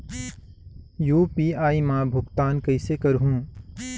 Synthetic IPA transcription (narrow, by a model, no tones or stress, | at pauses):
juːpiːaːimãːbʱʊɡt̪aːnkɐɪsekɐɾɦũː